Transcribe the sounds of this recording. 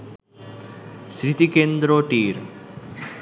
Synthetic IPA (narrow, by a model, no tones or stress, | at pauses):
sɾit̪ikend̪ɾoʈiːɾ